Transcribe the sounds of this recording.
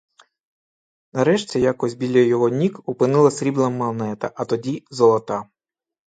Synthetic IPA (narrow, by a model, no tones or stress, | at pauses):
nɐɾɛʃt͡sʲijakɔsʲbʲilʲɛjjɔɦɔnʲikupɪnɪlˠɐsʲɾʲiblˠɐmːɐlˠnɛt̪ɐʔɐt̪ɔdʲizɔlˠɔt̪ɑ